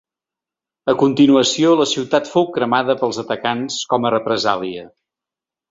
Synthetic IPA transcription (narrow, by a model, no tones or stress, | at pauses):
əkunt̪inuəsioləsiwt̪at̪fowkɾəmaðəpəlˠzət̪əkanskɔmərəpɾəza̰liə